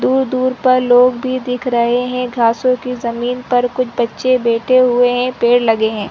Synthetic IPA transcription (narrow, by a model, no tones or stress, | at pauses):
d̪uːɾd̪uːɾpɐɾloːɡbʱid̪ɪkʰɾɐɦeɦɛ̃ɡʱaːsõkizɐmiːnpɐɾkʊt͡ʃʰbɐtːʃebɛːʈʰeɦʊeɦɛ̃peːɽlɐɡeɦɛ̃ː